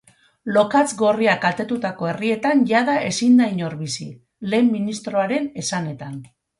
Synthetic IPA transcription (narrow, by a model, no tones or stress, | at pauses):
lo̞kat͡sɡo̞riakat̪e̞t̪ut̪ako̞e̞rie̞t̪anʝaðaʔe̞sind̪ajɲoɾβisi | le̞ːmːinist̪ɾo̞aɾe̞ne̞sane̞t̪an